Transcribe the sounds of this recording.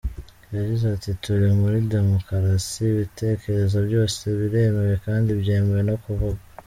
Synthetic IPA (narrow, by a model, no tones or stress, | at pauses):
jaɟizatituɾimuɾide̞mokaɾasiβite̞ːke̞ɾe̞zobjo̞ːse̞βiɾe̞mewe̞kaːndibɟeːmewe̞no̞kuvuɡa